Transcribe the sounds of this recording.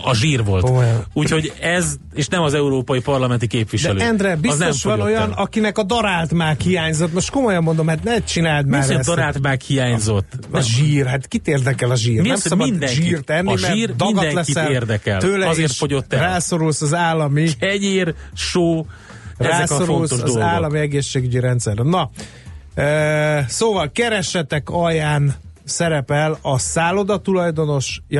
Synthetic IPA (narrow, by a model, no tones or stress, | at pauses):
ɒʒiːrʋo̞̰lkomojuːcho̞ɟɛz | eːʃnɛmɒzɛuɾoːpɒjipɒrlɒmɛnt̪ikeːpʋidʃɛɛløːɛnd̪ɾɛbizsnomfʃɒno̞jɒnɒkinɛkɒd̪ɒɾalt̪maːkhijaːɲzo̞t̪moʃt̪ko̞mo̞jɒmːo̞nd̪o̞mhat̪nɛt͡ʃinaːlt̪maːɾɛɛsd̪ɒɾaːlt̪maːkhijaːɲzo̞t̪ːʒiːrɦat̪kit̪eːrd̪ɛkɛlɒʒiːrminɛmmsɒmbɒind̪ɛŋʒiiːrt̪ɛnːimɛriːrd̪ɒnɡɒtɛlɛisɛleːrd̪ɛkɛlt̪øːlɛɒeːʃfoɟot̪ːɛraːso̞ɾulsɒzaːlːɒmiɛɟeːrʃoː | raɛːso̞ɾuoulstoʒɒozaːlːɒmiɛɡeːʃːeːɡyɟiɾɛnt̪sɛrnnːɒ | øːsoːvɒlkɛɾɛʃɛt̪ɛkɒjaːn | sɛɾɛpɛlɒsaːlo̞d̪ɒt̪ulɒjd̪o̞no̞ʃj